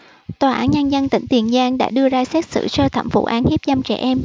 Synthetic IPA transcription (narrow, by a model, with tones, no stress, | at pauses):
t̪waː˨˩ʔaː˨˦nɲə˧nzə˧nt̪ḭ̈˧˩˥ŋ̟t̪i˨˩ənzaː˧ŋɗa̰ː˧˥ɗɨ˧əzaː˧sɛ˦˥t̚sɨ̰˧˨sə˧t̪ʰə̰˧˩mfṵ˧˥ʔaː˨˦nhi˦˥p̚za˧mt͡ɕɛ̰˧˩ʔɛ˧m